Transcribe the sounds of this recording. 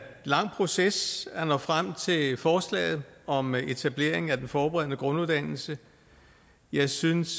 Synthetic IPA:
lɑ̈ŋ̰pʰʁo̝sesænɒfʁam̰t͡sʰe̝lfɒːslɛ̰ːɪð̞̩ˠɒ̽me̝t͡sʰæb̥le̝ɐ̰e̝ŋ̩æd̥enfɒːb̥eʁɛð̞̰ˠnəɡ̥ʁɔ̽nuðˠd̥æn̰l̩sə | jɑ̈ɪsyns

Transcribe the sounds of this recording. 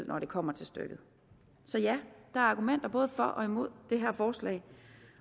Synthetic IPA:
l̰ˠnʔɒɾ̥e̝kʰɒ̽m̰ɐt͡sʰe̝lsd̥ø̰ɡ̥ð̩ˠ | sɒ̽jæd̥ɑ̈æɐɑ̈ɡ̥umen̰d̥ɐb̥ɔ̽ːð̞ˠfɒ̽ʔɒ̽imo̝ð̞̰ˠd̥e̝ɦæɐ̰fɒːslɛ̰ɪ

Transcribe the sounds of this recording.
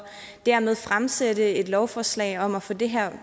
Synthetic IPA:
d̥æɐ̰með̞ˠfʁamsedəe̝d̥lɒʊfɒːslɛ̰ɪɒ̽mæfo̽d̥e̝ɦæɐ̰

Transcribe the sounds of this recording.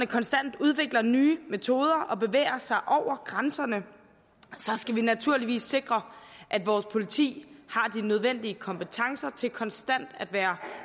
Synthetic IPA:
nəkʰɒ̽nsd̥æn̰d̥uð̞ˠʋe̝ɡ̥lɐnyːme̝t͡sʰo̝ːð̞ˠɐʔɒ̽b̥e̝ʋḛːɪɐsɑ̈ɪʔɒʊ̰ɐɡ̥ʁansɐnə | sɒ̽sɡ̥æʋinæt͡sʰuɐ̰liʋḭːsːe̝ɡ̥ʁɐʔæd̥ʋɒːspʰo̝lit͡sʰḭːhɑ̈d̥inøð̞ˠʋen̰d̥iəkʰɒ̽mpʰət͡sʰɑ̈ŋsɐt͡sʰe̝lkʰɒ̽nsd̥æn̰d̥æd̥ʋæːɐ

